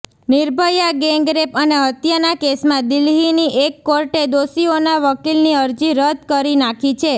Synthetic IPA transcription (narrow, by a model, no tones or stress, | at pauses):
niɾbʱəjaɡeŋɡɾepəneət̪janakesmãd̪ɪlɦiniʔekːoɾʈed̪osionaʋəkilniəɾd͡ʒiɾəd̪̚ʱkəɾinakʰit͡ʃʰe